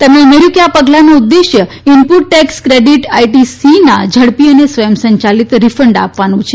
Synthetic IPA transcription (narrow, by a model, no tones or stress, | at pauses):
t̪emnemeɾukjapəɡlanũːd̪ːeʃjə | impuʈ̚ːekskɾeɖiʈajʈisinad͡ʒʱəɽpiənesʋəjəmsəɲt͡ʃalit̪ɾifəɳɖa̰pʋanũt͡ʃʰe